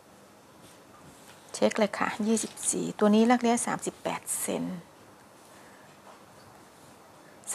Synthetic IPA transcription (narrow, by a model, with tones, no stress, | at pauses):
t͡ɕʰe˦˥k̚le˧˩kʰa̰ː˩jiː˥˩si˨˩p̚sḭː˨˩t̪u˧niː˦˥ɾaː˦˥˩k̚li˦˥əsa̰ː˩˦msi˨˩pːɛ̰ː˨˩t̪̚sḛ˧n | s